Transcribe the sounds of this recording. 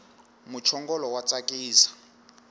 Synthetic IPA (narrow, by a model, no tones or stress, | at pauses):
mut͡ʃʰɔŋɡɔlɔwat͡sʼakʼiːsḁ